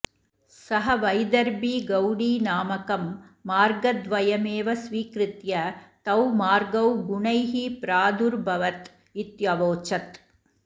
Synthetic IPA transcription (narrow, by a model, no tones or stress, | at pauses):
sɐɦɐʋɐɪd̪ɐɾbiɡɐwɽinaːmɐkɐmːaːɾɡɐd̪ʋɐjɐmeːʋɐsʋiːkɾɯt̪jɐt̪ɐwmaːɾɡɐwɡʊɳɐɪɦipɾaːd̪uɾbʱɐʋɐt̪ | ɪt̪jɐʋoːt͡ʃɐt̪